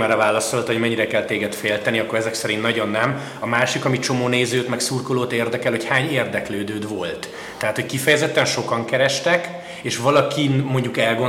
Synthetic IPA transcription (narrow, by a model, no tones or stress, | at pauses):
ɛɾɛvaːlːɒsolot̪ho̞ɟmɛɲːiɾɛkɛlt̪eːɡɛt̪feːlt̪ɛniɒkːo̞ɾɛzɛksɛɾint̪nɒɟo̞nːɛm | ɒmaːʃikɒmit͡ʃo̞moːneːzøːt̪mɛksurkoloːt̪eːrd̪ɛkɛlhochaːɲeːrd̪ɛkløːd̪øːd̪vo̞lt̪ː | ɛɦaːt̪ho̞ckifɛjɛzɛt̪ːɛnʃo̞kɒŋkɛɾɛʃt̪ɛk | eːʃʋɒlɒkinmo̞ɲɟukɛlɡo